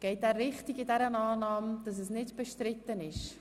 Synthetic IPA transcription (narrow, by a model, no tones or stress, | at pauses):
ɡ̥ɛɪtɛːrːɪχtiɡɪdɛɾənaːnɑːmd̥ɑs̬ɛsnɪdb̥ɛʃtɾɪt̪ːənɪʃ